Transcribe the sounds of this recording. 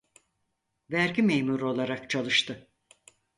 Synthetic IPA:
væɾɟimejmuɾo̞lˠaɾakt͡ʃʰalˠɯʃt̪ʰɯ

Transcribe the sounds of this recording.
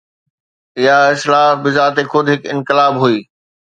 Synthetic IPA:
ɪɦaɪslaːfbɪzaːt̪̬exʰʊd̪ʱɪɦɪkɪ̃nkɪlaːbɦuiː

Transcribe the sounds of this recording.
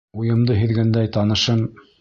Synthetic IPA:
ujɤ̆md̪ɤɦɵ̆ðɡænd̪æjt̪ɑnɤ̆ʃɤm

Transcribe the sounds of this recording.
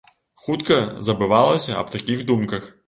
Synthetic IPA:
xut̪kɐzɐbɨvalˠɐsʲɐɐ̰bt̪akʲiɣd̪umkɐx

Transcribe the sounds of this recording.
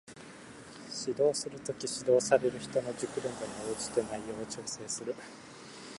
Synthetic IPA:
ɕid̪o̞ːsɨɾɯ̟t̪o̞kʲiɕid̪o̞ːsaɾe̞ɾɯ̟çi̥t̪o̞no̞d͡ʑɨkɯ̟ɾẽnd̪onooːt͡ɕi̥t̪o̞naijo̞ːt͡ɕo̞ːse̞ːsɨɾɯ̟

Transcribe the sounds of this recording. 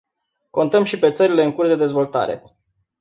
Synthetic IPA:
ko̞nt̪əmʃipe̞t̪səɾile̞ɨŋkursd̪e̞d̪e̞zvo̞lt̪a̰ɾe̞̰

